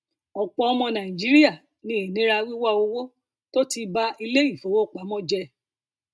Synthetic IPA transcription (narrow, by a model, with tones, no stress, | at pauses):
ɔ˨k͡pɔ˧ɔ˧mɔ̃˧nã˨ĩ˨d͡ʒi˨˦ɾi˦ja˦˨ | nĩ˨˦e˨nĩ˨˦ɾa˧wi˦wa˦o˧wo˦ | to˦ti˧ba˧˦i˧le˦i˦˨fo˨˦wo˦˨k͡pa˨˦mɔ̃˦d͡ʒɛ˧